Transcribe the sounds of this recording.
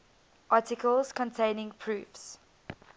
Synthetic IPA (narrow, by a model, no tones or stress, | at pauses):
ʔɑːˑtɪkʰəlˠz̥kʰɔ̃ntʰẽɪnɪ̃ŋpʰɹʉːfs